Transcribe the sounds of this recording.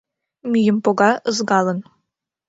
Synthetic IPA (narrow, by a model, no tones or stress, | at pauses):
mʲyjɘmpoɡɑʔəzɡɑlˠɤ̆n